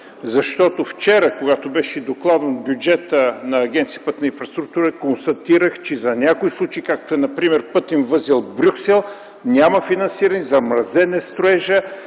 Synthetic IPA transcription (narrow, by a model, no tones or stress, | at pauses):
zɐʃt̪ɔt̪oft͡ʃɛɾɐkoɡat̪obɛʃɛd̪oklˠad̪ənbjud͡ʒɛt̪ənɐːɡ̟ʲɛnt̪sijəpət̪nɐĩnfɾɐst̪ɾuk̚t̪uɾəkonst̪ɐt̪iɾəxt͡ʃɛzɐnʲakoislˠut͡ʃɐikak̚t̪oɛnɐpɾimɛɾpɤt̪invəzɛlˠbɾʲuksɛlˠ | nʲamɐfinɐnsiɾɐnizɐmɾɐzɛnɛst̪ɾoɛʒə